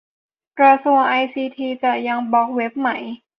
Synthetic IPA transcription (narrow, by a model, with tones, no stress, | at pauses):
kɾa˧su˧˩əŋʔa˧jsiː˧t̪ʰiː˧t͡ɕa˨˩ja˧ŋbɔː˨˩k̚we˦˥p̚ma˩˦j